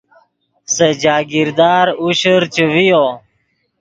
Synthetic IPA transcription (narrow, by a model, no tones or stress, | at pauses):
sed͡ʑaːɡɪɾd̪aːɾuɕəɾt͡ʃəʋijoː